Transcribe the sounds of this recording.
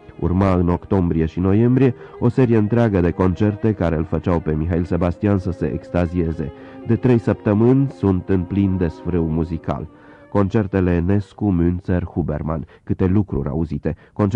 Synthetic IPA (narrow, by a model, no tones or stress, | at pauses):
ṵrmaɨno̞kt̪o̞mbɾie̞ʃino̞je̞mbɾije̞o̞se̞ɾijeɨnt̪ɾeaɡəd̪e̞ko̞nt͡ʃe̞rt̪e̞kaɾeɨlfət͡ʃawpe̞mixailse̞bast̪iansəse̞ʔekst̪azie̞ze̞d̪e̞t̪ɾe̞jsəp̚t̪əmɨnʲsunt̪ɨnplind̪e̞sfɾɨwmuzika̰l | ko̞nt͡ʃe̞rt̪e̞le̞ne̞skumynserhube̞̰rma̰nkɨt̪e̞lukɾṵɾʲa̰uzit̪e̞ko̞nt͡ʃ